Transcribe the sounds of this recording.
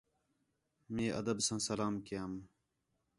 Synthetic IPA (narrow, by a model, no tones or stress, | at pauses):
mẽːʔɐ̰d̪əbsãːsɐlaːmkejaːm